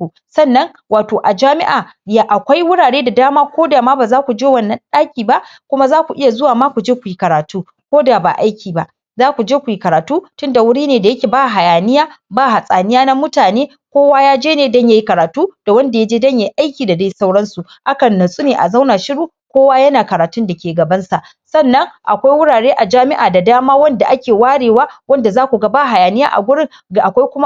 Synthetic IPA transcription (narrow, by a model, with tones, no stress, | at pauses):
u˨ | sɐ˦˨nːɐ˦ŋ | waː˨toː˨ʔa˨d͡ʒaː˦mɪ̰˦ʔaː˨ | ja˨ʔa˨kʷa˦jwʊ˦ɽaː˨ɽeː˦da˨daː˦maː˦kʷoː˦daː˨maː˦baː˨zaː˦kʷu˨d͡ʒeː˦wɐ˦nːɐ˦nɗaː˦kʲiː˨ba˦ʔkʷʊ˦ma˦zaː˦kʷu˨ʔɪ˦ja˨zʊ˦waː˨maː˦kʷu˨d͡ʒeː˦kʷu˨ji˦kɐ˨ɾaː˨tuː˦ | kʷoː˦da˨ba̰˨ʔa˦jkʲiː˨ba˨ʔ | zaː˦kʷu˨d͡ʒeː˦kʷu˨ji˦kɐ˨ɾaː˨tuː˦tʊ˦nda˨wʊ˦ɽiː˦neː˨da˨jɐ˦kʲeː˨ba˦˨ɦa˨jaː˨nɪ˦jaː˦baː˦˨ɦa˨sʼaː˨nɪ˦jaː˦na˦mʊ˦taː˨neː˦ | kʷoː˦waː˦jaː˦d͡ʒeː˦neː˨dɔ˦ɲja˦˨ji˦kɐ˨ɾaː˨tuː˦d̥a˨wɐ˦nda˨ja˦d͡ʒeː˦dɐ˦ɲja˨ji˦ʔa˦jkʲiː˨da˨da˦ji˦sa˦wɽɐ˦nsu˨ | ʔa˦kɐ˨nːɐ˨sʼu˦neː˨ʔa̰˨za˦wnaː˨ʃɪ˦ɽuː˦ | kʷoː˦waː˦jɐ˦naː˨kɐ˨ɾaː˨tʊ˦nda˨kʲeː˨ɡɐ˨bɐ˦nsa˨ʔ | sɐ˦nːɐ˦ŋʔa̰˨kʷa˦jwʊ˦ɽaː˨ɽeː˦ʔa˨d͡ʒaː˦mɪ˦ʔaː˨da˨daː˦maː˦wɐ˦nda˨ʔa˦kʲeː˨waː˦ɽeː˨waː˦wɐ˦nda˨zaː˦kʷu˨ɡɐ˦baː˦ɦa˨jaː˨nɪ˦ja̰ː˦ʔa̰˨ɡʷʊ˦ɽɪ˦ŋ | ɡʔa˨kʷa˦jkʷʊ˦ma˦